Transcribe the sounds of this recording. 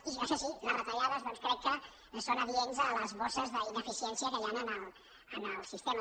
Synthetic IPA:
iʒasesilərət̪aʎaðəzðonskɾɛkkːə | sonəβienzələzβɔsəzðəinəfisiɛnsiəkəjanənəl | ənəlˠsist̪ema

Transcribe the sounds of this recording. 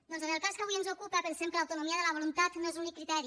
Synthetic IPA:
d̪ɔnzenelˠkaskəaβujenzokupapənsemkəlawt̪unumiaɐðəlaβ̞olunt̪at̪noezunikːɾit̪ɛɾi

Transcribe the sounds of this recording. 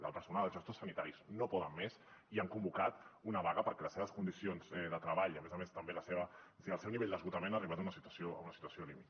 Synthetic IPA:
lə̰pəɾsunaəlˠʒɛst̪osːənit̪aɾiznopɔðəmmeziaŋkumbukat̪unəβaɣəpəɾkɛləseβəskund̪isionzɛðət̪ɾəβaʎəmezəmest̪əmbeləseβəsiəlˠsɛwniβeʎʲd̪əzɣut̪əmẽnariβat̪unəsit̪əsiounəsi̥t̪uəsiolimit̪

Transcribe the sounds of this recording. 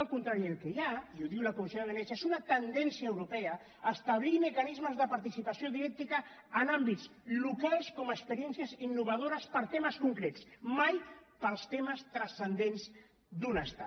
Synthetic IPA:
əlˠkunt̪ɾaɾiəlˠkejaiuðiwləkumisjoðəβənɛt͡ʃaezunət̪ənd̪ɛnsiəːwɾupɛəː | st̪aβ̞liməkanizməzðəpaɾt̪isipasioðiɾɛk̚t̪ikəː | nambitt͡slukalˠskɔməkspəɾiɛnsjəzinːuβað̞oɾəspəɾt̪eməskuŋkɾet͡smajpəlˠst̪eməst̪ɾəsənd̪enz | d̪unəst̪a̰

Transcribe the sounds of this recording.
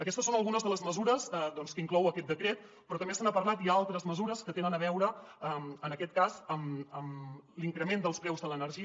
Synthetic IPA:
əkɛst̪əsonəlˠɣunəzðələzməzuɾəzd̪ɔnskəiŋklɔwəkɛt̪d̪əkɾet̪̚ | pɾɔt̪əmbesanəpəɾlat̪jaalˠt̪ɾəzməzuɾəskət̪enənəβ̞ɛwɾəəmənəkɛt̪̚kazəməmliŋkɾəmend̪əlˠspɾɛwzðələnəɾʒiə

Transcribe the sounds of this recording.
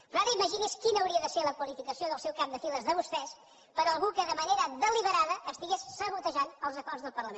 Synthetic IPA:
aɾəiməʒiniskinəːwɾiəðəseləkwəlifikəsioðəlˠsɛwkap̚d̪əfiləzðəβust̪ɛs | pəɾəlˠɣukəðəməneɾəðəliβəɾaðəʔːst̪iɣesːəβut̪əʒanəlˠzəkɔrzðəlˠpərləmen

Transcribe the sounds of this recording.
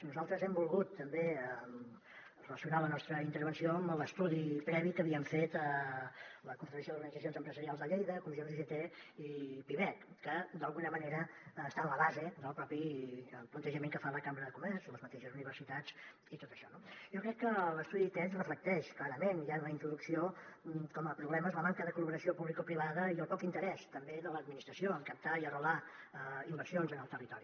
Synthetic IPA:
nuzalˠt̪ɾəzɛmbulˠɣut̪ːəmbeə | rələsiunalənɔst̪ɾəint̪əɾβənsioəmələst̪uðipɾɛβikəβiəɱfet̪ə | ləkunfɾələsjoðuɾɣənid͡zəionzəmpɾəzəɾialˠzðəʎejðəkumisioriʒət̪eipiβɛkːəd̪əlˠɣunəməneɾəːst̪anləβazed̪əlˠpɾɔpipunt̪əʒəmeŋkəfaləkambɾəðəkumɛɾzləzmət̪eʃəzuniβ̞əɾsit̪ad͡z | it̪ot̪əʃɔnoʒokɾɛkːələst̪uðit̪ɛnsrəflək̚t̪ɛʃklaɾəmenianləint̪ɾuðuksiokɔməpɾuβlɛməzləmaŋkəðəkuləβəɾəsiopuβlikopɾiβ̞aðəiəlˠpɔkint̪əɾɛst̪əmbeðələd̪̚minist̪ɾəsioəŋkəp̚t̪aiərəlaəimbəɾsionzənəlˠt̪ərit̪ɔɾi

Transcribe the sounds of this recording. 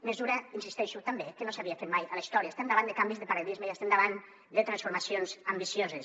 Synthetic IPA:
mezuɾainsist̪ɛʃut̪ambekenosaβiafeɾmajalaist̪ɔɾjaesend̪aβand̪ekambizðepaɾeðizmejest̪end̪aβan | d̪et̪ɾansfuɾmasjonzambisjozes

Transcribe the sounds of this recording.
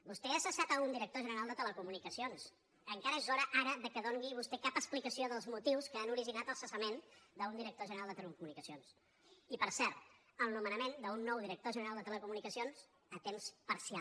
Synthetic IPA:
bust̪eəsəsat̪əund̪iɾək̚t̪oʒənəɾalˠd̪ət̪ələkumunikəsions | əŋkaɾəezɔɾəʔaɾəðəkəðoŋɡiβust̪ɛkapəsplikəsioðəlˠzmut̪iwskəanuɾiʒinat̪əlˠsəsəmend̪əund̪iɾək̚t̪oʒənəɾalˠd̪ət̪əlkumunikəsions | ipəɾsɛɾt̪əlˠnumənəmend̪əunːɔwðiɾək̚t̪oʒənəɾalˠd̪ət̪ələkumunikəsionz | ət̪emspəɾsia

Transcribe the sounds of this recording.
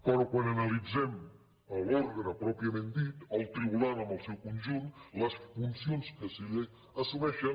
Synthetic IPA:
kɔɾokwanənəlid͡zɛm | əlɔɾɣənəpɾɔpɾiəmend̪it̪əlˠt̪ɾiβulaɾəmbəlˠsɛwkunʒunt̪ləsfunsionskəsile | əsumɛʃə

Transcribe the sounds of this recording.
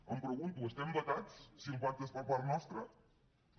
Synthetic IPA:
əmpɾəɣunt̪uəst̪ɛmbət̪at͡ssiəmpat̪əspəpaɾt̪nɔst̪ɾə

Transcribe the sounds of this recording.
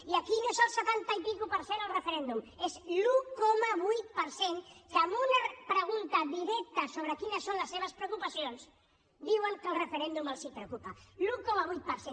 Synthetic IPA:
iəkinoesəlˠsət̪ant̪aipikupəɾsenəlˠrəfəɾɛnd̪umezlukomaβujt̪̚pəɾseŋkəmbunapɾəɣ̞unt̪ɐðiɾɛk̚t̪əsoβ̞ɾəkinəsːonləsːeβəspɾeowkupɐsions | d̪iwəŋkəlˠrəfəɾɛnd̪uməlˠsipɾeukupalukomaβujt̪̚pəɾsen

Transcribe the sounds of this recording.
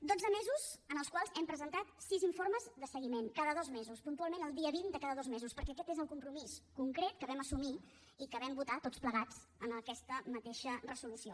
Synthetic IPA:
d̪od͡zəmezuzənəlˠskwalˠzɛmpɾəzənt̪at̪siziɱfoɾməzðəsəɣimenkaðəðɔzmezuspunt̪ualˠmẽnəlˠd̪iəβind̪əkaðəðɔzmezuspəɾkɛəkɛt̪ezəlˠkumpɾumiskuŋkɾet̪̚kəβɛməsumi | ikəβɛmbut̪at̪ott͡spləɣad͡z | ənəkɛst̪əmət̪eʃərəzulusio̰

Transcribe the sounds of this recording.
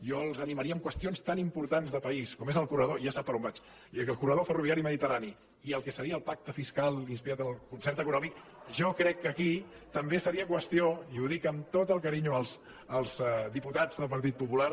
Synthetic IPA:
jʒɔlˠzəniməɾiəːmkwəst̪ionst̪animpuɾt̪anzðəpəiskɔmezəlˠkurəðoʒasapːəɾɔmbat͡ʃ | əlˠkurəðofəruβiaɾiməðit̪ərani | iəlˠkɛsəɾiəːlˠpak̚t̪əfiskalˠinspiɾat̪əlˠkunsɛɾt̪əkunɔmik | ʒɔkɾɛkːəki | t̪əmbesəɾiəkwəst̪ioiuðikəmt̪ot̪əlˠkəɾiɲuəlˠs | əlˠzd̪iput̪ad͡zðəlˠpəɾt̪̬it̪̚pupular

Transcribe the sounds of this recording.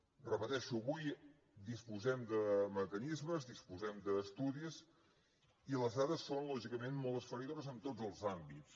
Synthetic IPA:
rəpət̪ɛʃuəβuj | d̪ispuzɛmd̪əməkənizməzðispuzɛmd̪əːst̪uðiz | iləzðaðəsːonlɔʒikəmenmolˠt̪əsfəɾiðoβəzənt̪od͡zəlˠzambit͡s

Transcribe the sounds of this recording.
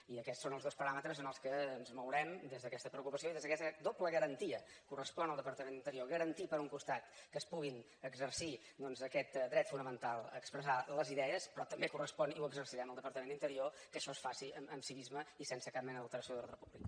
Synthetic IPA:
iəkɛtsonəlˠzðospəɾamət̪ɾəzənəlˠskəːnzmowɾɛmd̪ezðəkɛst̪əpɾəukupəsioiðezðəkɛst̪d̪opləɣəɾənt̪iə | kurəspɔnəlˠd̪əpəɾt̪əmenint̪əɾioɣəɾənt̪ipəɾuŋkust̪at̪kəspuɣin | əɡzəɾsi | d̪ɔnzəkɛt̪d̪ɾɛt̪funəmənt̪alˠə̰kspɾəzaləziðɛəspɾɔt̪əmbekurəspɔniuwəɡzərsiɾɛməlˠd̪əpəɾt̪əmenint̪əɾiokəʃɔsfasiəməmsiβizməisensəkap̚mɛnəðəlˠt̪əɾəsioðələrəpuβlik

